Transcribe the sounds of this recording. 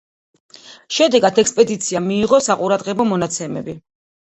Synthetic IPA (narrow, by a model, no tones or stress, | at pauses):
ʃɛd̪ɛɡad̪ɛkspʼɛd̪it̪sʰiamiːʁɔsaqʼuɾad̪ʁɛbɔmɔnat̪sʰɛmɛbi